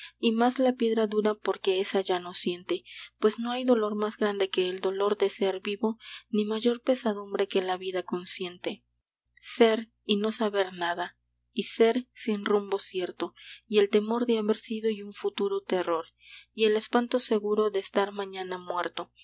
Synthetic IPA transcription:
imazlapje̞ðɾaðuɾapo̞ɾke̞esaʝano̞sje̞nt̪e̞pwe̞sno̞ajðo̞lo̞ɾmazɡɾand̪e̞ke̞ːld̪olo̞ɾd̪e̞se̞ɾbiβo̞nimaʝo̞ɾpe̞saðumbɾe̞ke̞laβiðako̞nsje̞nt̪e̞ | se̞ɾ | ino̞saβe̞ɾnaða | ise̞ɾsinrumbo̞sje̞ɾt̪o̞ie̞lt̪e̞mo̞ɾðeaβe̞ɾsiðo̞iuɱfut̪uɾo̞t̪e̞ro̞ɾ | ie̞le̞spant̪o̞se̞ɣuɾo̞ðe̞ːst̪aɾmãɲanamwe̞ɾt̪o̞

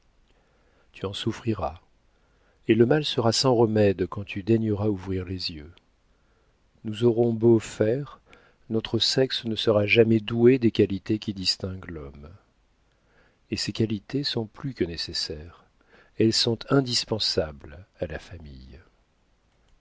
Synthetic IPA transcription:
t̪ʰyɑ̃sufχiʁa | eləmalsəʁasɑ̃ʁəmɛd̪kɑ̃t̪ʰyd̪ɛɲəʁauvʁiʁlezjø | nuzɔʁɔ̃bofɛʁ | nɔt̪χəsɛksnəsəʁaʒamɛd̪ued̪ekalit̪ekʲid̪ist̪ɛ̃ɡlɔm | esekalit̪esɔ̃plykənesesɛʁ | ɛlsɔ̃t̪ɛ̃d̪ispɑ̃sablalafamḭj

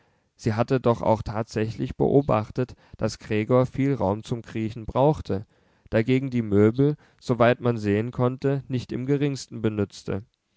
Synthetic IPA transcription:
z̥iːɦatədɔχa̰ʊxtʰaːtz̥ɛçlɪçb̥ə̰ʔoːba̰χtətd̥asɡ̥ʁ̥eːɡoːɐfiːlʁa̰ʊmt͡sʊmɡʁ̥iːçn̩bʁaʊxtʰə | d̥aɡeːɡŋ̩diːmøːbl̩ | z̥ovaɪtmanzeːənkʰɔntənɪçtɪmɡəʁɪŋstn̩bənʏt͡stʰə̰

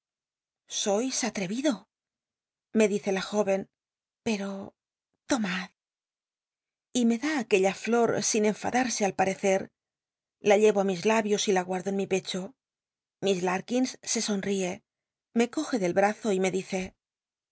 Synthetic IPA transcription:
so̞jsat̪ɾe̞βiðo̞ | me̞ðiθe̞laxo̞βe̞n | pe̞ɾo̞ | t̪o̞mað | ime̞ðaːke̞ʎaflo̞ɾsine̞ɱfa̰ðaɾse̞alpaɾe̞θe̞ɾ | laʎe̞βoamizlaβjo̞silaɣwaɾðo̞enmipe̞t͡ʃo̞ | mizlaɾkinsːe̞so̞nrie̞ | me̞ko̞xe̞ðe̞lβɾaθo̞ime̞ðiθe̞

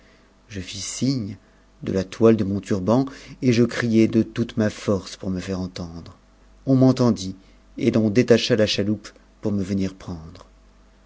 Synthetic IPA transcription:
ʒəfisiɲ | d̪ə̰lat̪wald̪əmɔ̃t̪yʁbɑ̃eʒəkχijɛd̪ət̪ut̪mafɔʁspuʁməfɛʁɑ̃t̪ɑ̃d̪ʁ | ɔ̃mɑ̃t̪ɑ̃d̪i | elɔ̃d̪et̪aʃalaʃalup | puʁməvəniʁpχɑ̃d̪ʁ

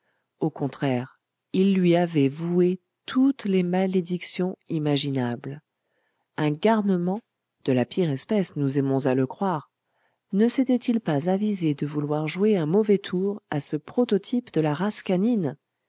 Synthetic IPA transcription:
okɔ̃t̪χɛʁ | ilːɥiavɛvue | t̪ʰut̪lemaled̪iksjɔ̃imaʒinabl | ɛ̃ɡaʁnəmɑ̃ | d̪̥əlapʰiʁɛspɛsnuzɛmɔ̃zaləkχwaʁ | nəsɛt̪ɛt̪ilpazavized̪əvulwaʁʒweɛ̃mɔvɛt̪ʰuʁasəpχɔt̪ɔt̪ʰipd̪əlaʁaskanin

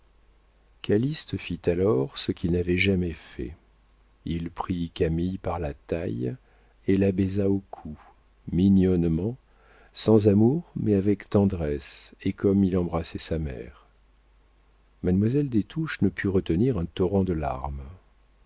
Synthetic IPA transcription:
kʰalist̪fit̪alɔʁsəkʲilnavɛʒamɛfɛ̰ | ilpχikamijpaʁlat̪aj | elabɛzaokʰu | minjɔnmɑ̃ | sɑ̃zamuʁmɛavɛkt̪ɑ̃d̪ʁɛsekʰɔmilɑ̃bʁasɛsamɛ̰ːʁ | mad̪mwazɛld̪et̪ʰuʃnəpʰyʁət̪əniʁɛ̃t̪ɔʁɑ̃d̪əla̰ʁm

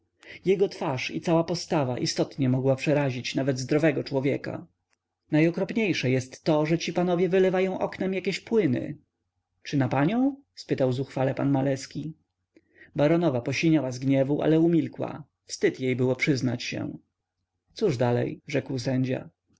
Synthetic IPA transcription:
jɛɡɔt̪faʂḭt̪sawapɔst̪ava̰ʔist̪ɔt̪ɲɛmɔɡwapʂɛɾaʑit͡ɕnavɛd̪zd̪ɾɔvɛɡɔt͡ʂwɔvʲjɛka̰ | najɔkɾɔpɲejʂɛjɛst̪ːɔʐɛt͡ɕipanɔvʲjɛvɘlɛvajɔ̃w̃ʔɔknɛmjakʲeɕpwɘnɘ̰ | t͡ʂɘnapaɲɔ̃w̃ | spɘt̪awzuxfalɛpanmalɛskʲi | baɾɔnɔvapɔɕiɲawazɡɲɛvuʔa̰lɛumʲilkwa̰ | fst̪ɘt̪jejbɘwɔpʂɘznat͡ɕɕɛ̰ | t̪suʐd̪alɛ̰jʐɛkwsɛɲd͡ʑa̰

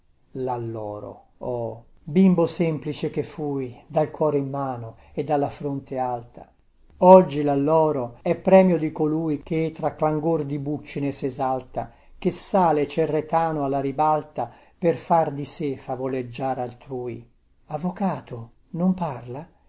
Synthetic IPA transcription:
lalːɔ̰ːɾo̰ | ɔ | bimbosɛmplit͡ʃek̟efːujd̪alkwɔːɾeimːaːno | ed̪ːalːafɾont̪ealt̪a̰ | ɔd͡ʒːilalːɔːɾoɛpːɾɛːmjod̪ikoluːjk̟et̪ɾakːlaŋɡord̪ibut͡ʃːinesezalt̪a̰ | k̟esaːlet͡ʃerːet̪aːnoalːaɾibalt̪a | perfard̪isefavoled͡ʒːaːɾalt̪ɾuːj | avːokaːt̪o | nomparla

